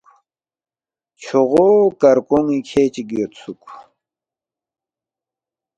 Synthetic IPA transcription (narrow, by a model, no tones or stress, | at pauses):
t͡ɕʰoʁokɐɾkoŋikʰeːt͡ɕiɡijot̪t͡sʰuk